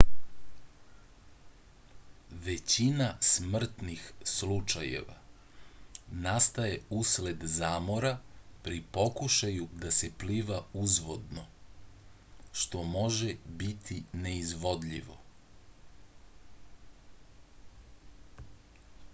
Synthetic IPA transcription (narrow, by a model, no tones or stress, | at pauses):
ʋe̞t͡ɕinasmr̩t̪nixslut͡ʃajḛʋa̰ | nast̪aje̞usle̞d̪zaːmo̞ɾapɾipo̞kuʃajud̪asepliːʋauzʋo̞d̪no̞ | ʃt̪o̞mo̞ʒebit̪ʰineizʋo̞d̪ʎḭʋo̞̰